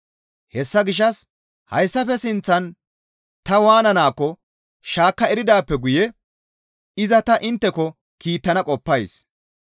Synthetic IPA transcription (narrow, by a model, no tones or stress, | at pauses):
hɛsːɐɡɪʃ̬ːɐs | hɐ̰jsːɐfɛsɪnt͡sːɐn | t̪ɐwaːnɐnaːkːɔ | ʃaːkːɐɛɾɪd̪aːpːɛɡʊjɛ | ɪzɐt̪ɐʔɪnt̪ːɛkɔ | kiːt̪ːɐnɐkʼɔpːɐjs